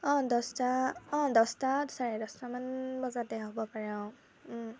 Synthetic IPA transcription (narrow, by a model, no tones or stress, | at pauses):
ɔ̃dɔstaɔ̃dɔstadsaɹɛdɔstamanbɔzadɛɦɔbɔpaɹɛʊ